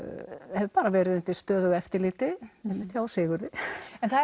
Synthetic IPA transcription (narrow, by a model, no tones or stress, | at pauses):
hɛvʏpaːɾavɛːɾɪðɪnt̪ɪst̪œːðʏɣɛft̪ɪɾliːt̪ɪɛnmːɪt̪çjasɪːɣʏɾðɪɛnθa